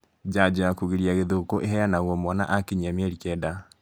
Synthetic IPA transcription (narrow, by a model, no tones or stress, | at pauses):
d͡ʑad͡ʑojakuɣeɾiaɣeðokoʔeɦɛanaɣwɔmwɔna̰ʔakeɲamɛɾikɛda